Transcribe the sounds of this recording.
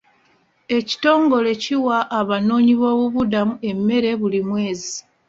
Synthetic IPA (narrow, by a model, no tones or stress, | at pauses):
e̞ci̥to̞ːŋɡo̞le̞ciwaʔːβano̞ːɲiβo̞ːβuβudamue̞mːe̞ɾe̞βulimwe̞ːzi